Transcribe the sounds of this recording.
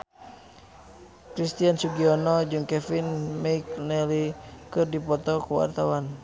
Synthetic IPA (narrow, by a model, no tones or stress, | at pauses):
kɾist̪iansuɡiɔnɔd͡ʒɨŋkɛfinmɛiknɛlikɨrdipɔt̪ɔkuwa̰rt̪awan